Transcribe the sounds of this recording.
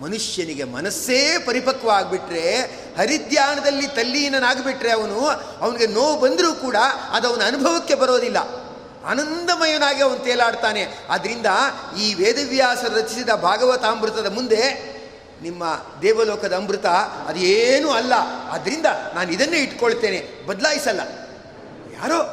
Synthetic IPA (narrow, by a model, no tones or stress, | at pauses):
mɐnuʂjɐniɡemɐ̰nɐsːeːpɐɾipɐkʋɐaːɡ̚biʈɾe̞ | hɐɾid̪jaːnɐd̪ɐlːit̪ɐlːijɐnɐnaːɡbiʈɾe̞ɐʋɐnu | ɐʋɐniɡe̞noːʋbɐnd̪ɾuːkuːɽɐɐ̰d̪ɐʋɐnuɐnubʱɐʋɐkːe̞bɐɾo̞ːd̪ilːɐ̰ | a̰ːnɐnd̪ɐmɐjɐnaːɡiɐʋɐnut̪ɛːlaːɽt̪aːne̞ɐd̪ɐɾind̪ɐiːʋeːd̪ɐʋjaːsɐɾɐt͡ʃisid̪ɐbʱaːɡɐʋɐt̪aɐmbɾut̪ɐd̪ɐmund̪e̞ | nimːɐd̪ɛːʋɐlɔːkʰɐd̪ɐːmbɾut̪ɐɐ̰d̪ueːnuːɐlːɐɐ̰d̪ɐɾind̪ɐnaːnuid̪ɐnːeːiʈkoɭt̪e̞ːne̞ | bɐd̪laːjisɐlːɐ̰ | ja̰ːɾoː